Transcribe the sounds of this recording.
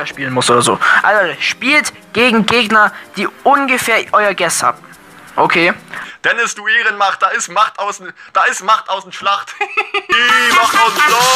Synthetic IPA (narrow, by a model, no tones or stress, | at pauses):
ɐʃpiːlənmʊsʔoːdɐzo̰ːʔa̰lzoʃpiːlt | ɡ̥eːɡŋ̩ɡeːɡnɐd̥iːʔʊnɡəfɛːɐʔɔʏɐɡɛstha̰ːbm̩ | ʔokʰeːd̥ɛnɪstd̥uːeːʁənmaχt̚d̥aːɪstmaχtaʊsn̩d̥aːɪsmaχtaʊsn̩ʃlaχtd̥iːmaχtaʊsn̩ʃla